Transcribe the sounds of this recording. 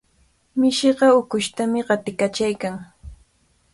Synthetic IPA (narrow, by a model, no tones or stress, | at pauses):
mɪʃeɢɑʊkʊʃt̪amɪɢɑt̪ɪkat͡ʃajkaŋ